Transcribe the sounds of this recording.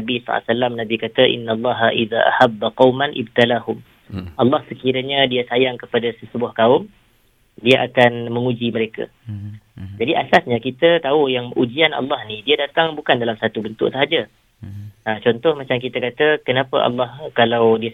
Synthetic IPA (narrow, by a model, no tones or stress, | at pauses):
nabisa̰salːamnabikat̪əʔḭnːalˤːɑɦaʔiða̰ʔa̰habːaqɑwmanʔɪ̰b̚t̪alahʊm | ʔɑlːɑhsəkiɾaɲadiasajaŋkəpadasəsəbuahkaʊm | diaʔakanmə̃ŋud͡ʒiməɾeka̰ | d͡ʒadiʔasasɲakit̪ət̪aujaŋʔud͡ʒiana̰lːɑhnidiadat̪aŋbukandalamsat̪ubənt̪ʊ̰ʔsəɦad͡ʒa | ət͡ʃɔnt̪ɔhmat͡ʃamkit̪akat̪əkənapə̰ʔɑ̰lːɑhkalawdi